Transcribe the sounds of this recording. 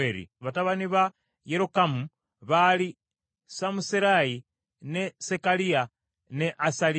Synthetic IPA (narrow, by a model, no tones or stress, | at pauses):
eɾḭβataβaniβa | jeɾokamu | βali | samusiɾaji | nesekalia | neʔasal